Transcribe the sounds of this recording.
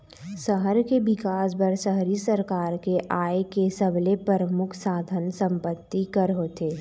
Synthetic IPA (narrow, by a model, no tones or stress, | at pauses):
səɦəɾkebɪkaːsbəɾsəɦɾisəɾkaːɾkeʔaːekesəblepəɾəmʊkʰsaːd̪ʱənsə̃mpət̪ːikəɾɦoːt̪eː